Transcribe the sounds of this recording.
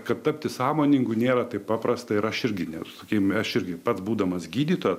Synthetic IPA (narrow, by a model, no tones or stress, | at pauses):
kɐt̪t̪ɐpʲt̪ʲɪsɑːmoːnʲɪŋɡunʲeːɾɐt̪ɐɪppɑːpɾɐst̪ɐɪɾɐʃɪɾʲɡʲɪnʲɛsɐkʲeːmɐʃɪɾʲɡʲɪpɐt̪sbuːd̪ɐmɐsɡʲiːd̪ʲiːt̪oːjɛ